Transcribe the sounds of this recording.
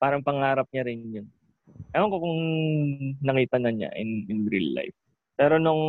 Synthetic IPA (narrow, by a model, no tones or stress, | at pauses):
paːɾɐŋpɐŋaːɾɐp̚ɲaɾɪnjʊn | ʔɐloŋkokʊŋ | nɐkiːt̪ɐnɐɲa̰ʔɪ̰nɪnɾḭlːa̰jf | pɛːɾo̞nʊŋ